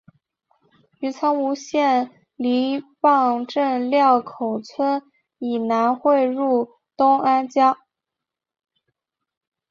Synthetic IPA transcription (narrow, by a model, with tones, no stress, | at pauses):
y˧˥t͡sʰɑ˥ŋu˧˥ɕjɛ˥˩n | li˧˥fɑ˥˧ŋʈ͡ʂə˥˧nljɑ˥˩ʊkʰo˨˩ʊt͡sʰwə˥n | i˨˩na˧˥nxwe˥˧ɪɻu˥˩ | t̪ʊ˥ŋa˥nt͡ɕjɑ˥